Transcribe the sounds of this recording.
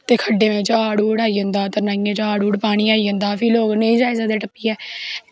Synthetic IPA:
t̪eːkʰəɖeːmẽːt͡ʃaaːɽuːɽaːiːə̃nd̪aːt̪əɾnaːiẽːt͡ʃaːɽuːɽpaːɽ̃iːaːiːə̃nd̪aːpʰɪloːɡneĩːd͡ʒaːɪzaːd̪eːʈəpːiːɛː

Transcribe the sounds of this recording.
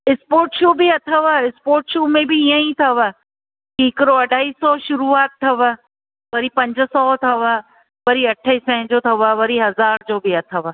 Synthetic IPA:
ɪspoːɾʈʃoːbɪɐt̪ʰəʋaɪspoːɾʈʃuːmẽbɪijə̃ĩt̪ʰɐʋaː | kikɪɾoɐɖʱaːiːsɔʃʊɾuaːt̪̚t̪ʰːɐʋaː | ʋɐɾipɐ̃ɲd͡ʑəsɔːt̪ʰɐʋaː | ʋɐɾiɐʈʰəisɛ̃ɦɪ̃d͡ʑot̪ʰɐʋaʋɐɾiɦɐzaːɾd͡ʑoːbɪɐt̪ʰəʋa

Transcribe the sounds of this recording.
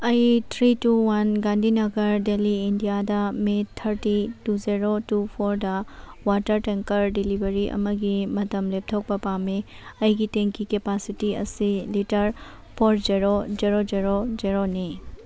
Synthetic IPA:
ɐjt̪ʰɾituwɐnɡãnd̪ʱinɐɡəɾɖeliindijad̪amet̪ʰəɾʈituziɾoʈupʰoɾɖawaʈəɾʈɛ̃ŋkəɾɖilibəɾiʔɐ̰mɐɡimɐt̪ɐmleb̚t̪ʰɔk̚pɐpame | ɐjɡit̪ẽŋkikepasiʈiɐ̰siliʈəɾ | pʰɔɾd͡ʒiɾod͡ʒiɾod͡ʒiɾod͡ʒiɾoni

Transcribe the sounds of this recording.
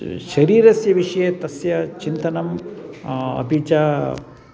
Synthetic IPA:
ʃɐɾiːɾɐsjɐʋiʂɐjet̪ɐsjɐt͡ʃint̪ɐnɐm | ɐ̰bʱit͡ʃa

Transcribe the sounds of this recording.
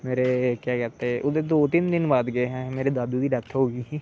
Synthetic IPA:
meːɾeːkaːkət̪eːʔʊd̪eːd̪oːt̪ind̪ɪnbaːd̪ɡəeːɦɛ̃ːmeːɾeːd̪aːd̪uːd̪iːɖət̪ʰɦoːɡiː

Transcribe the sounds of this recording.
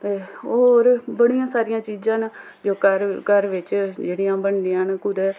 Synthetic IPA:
t̪eːɦoːɾbəɽijãːsaːɾɪjãːt͡ʃiːd͡ʒãːn | d͡ʒoːkəɾkəɾʋɪt͡ʃd͡ʒeːɽijãːbəɳd̪ɪjãːnkʊd̪ɛː

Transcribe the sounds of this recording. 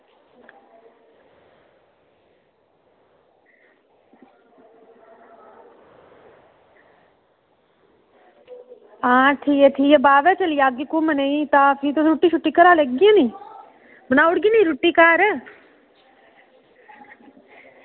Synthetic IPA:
aːʈʰieʈʰijebaːʋɛt͡ʃɐlijaːɡikuməneĩt̪aːfʰit̪oɾuʈːiʃʰuʈːikɐɾaːleɡiãni | bənaːʊɽɡinɐiɾuʈːikaːɾɛ

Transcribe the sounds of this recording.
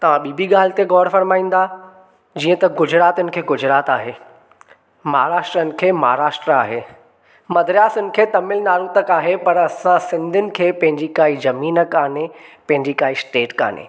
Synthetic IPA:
t̪ɐʋ̤ãɓiːbʱiɠaːl̤ɪt̪eɡɔːɽfɐɾmaːĩːn̆d̪a | d͡ʑiːə̃t̪ɐɡʊd͡ʑʱɾaːt̪ʊnɪ̆kʰeːɡʊd͡ʑʱɾaːt̪aːɦeː | mɐɦaɾaːʃʈɾənɪ̆kʰeːmɐɦaɾaːʃʈɾəa̰ːɦeː | mɐd̪ɾjaːsʊnɪ̆kʰeːt̪ɐmɪlnaːɾut̪ɐkaːɦepɐɾɐsãsɪ̃nd̪ʱʊnɪ̆kʰeːpɐ̃ɦɪ̃ɲd͡ʑikaːizɐmiːnəkaːnepɐ̃ɦɪ̃ɲd͡ʑikaːisʈeːʈka̰ːn̤ḛː

